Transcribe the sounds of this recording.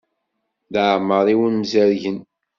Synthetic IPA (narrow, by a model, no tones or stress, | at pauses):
ðʕəməɾˤiwənmzæɾʝən